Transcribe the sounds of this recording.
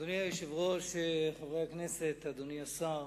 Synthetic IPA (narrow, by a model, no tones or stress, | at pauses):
d̪uniajiʃivʁoʃeχavʁeaknɛset̪ad̪uniasa